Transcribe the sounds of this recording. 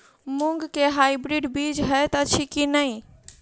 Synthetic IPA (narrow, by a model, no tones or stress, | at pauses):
muŋɡkeɦajbɾiɖbid͡ʒɦət̪ət͡ʃʰikinəj